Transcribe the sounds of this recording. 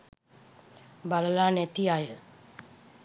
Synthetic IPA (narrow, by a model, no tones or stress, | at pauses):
baləlaːnæt̪iajə